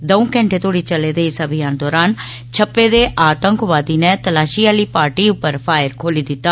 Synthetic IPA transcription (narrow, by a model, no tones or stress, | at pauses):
d̪ə̃ũːkɛ̃ːɳʈeːt̪oːɽiːt͡ʃəleːd̪eːɪsəbʱɪjãːnd̪ɔːɾaːn | t͡ʃʰəpːeːd̪eːʔaːt̪əŋkʋaːd̪iːneːt̪əlaːʃijaːliːpaːɾʈiːʊpːəɾpʰaːɪɾkʰoːliːd̪ɪt̪ːaː